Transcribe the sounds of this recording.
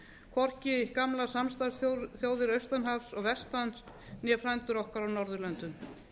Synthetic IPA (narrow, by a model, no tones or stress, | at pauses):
kʰvɔr̥cɪɪkamlasamst̪asθjoːwðɪɾœɥst̪anɦafsɔɣvɛst̪ans | njɛfɾajnt̪ʏɾɔhkaɾawnɔɾðʏɾlœnt̪ʏm